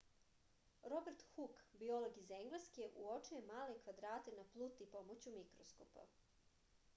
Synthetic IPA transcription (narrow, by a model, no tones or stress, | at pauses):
ɾobeɾt̪xukbiolˠoɡizeŋɡlˠeskeʔuot͡ʃujemaːlekʋad̪ɾaːt̪enaplˠut̪ipo̞mot͡ɕumikɾosko̰pa̰